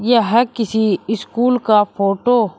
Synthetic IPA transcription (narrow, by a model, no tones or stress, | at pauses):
jaɦəkɪsiɪskuːlkaːpʰoːʈoː